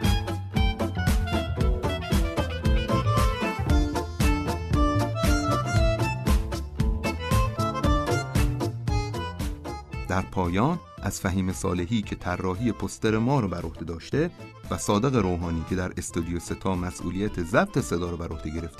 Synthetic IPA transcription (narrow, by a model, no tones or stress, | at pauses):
d̪̥æɾpʰɒːjɒːn | ʔæz̥fæɦiːme̞sɒ̰ːle̞ɦiːcʰe̞t̪ʰærːɒːɦiːje̞pʰost̪eɾe̞mɒːɾɒbæɾʔo̞hd̪e̞d̪ɒːʃt̪e̞væsɒːd̪e̞ɣe̞ɾoːɦɒːniːcʰe̞d̪æɾest̪od̪ijose̞t̪ʰɒːmæsʔṵːlijæt̪ʰezæb̥̚t̪ʰe̞se̞d̪ɒːɾɒbæɾo̞hd̪e̞ɟe̞ɾe̞ft̪e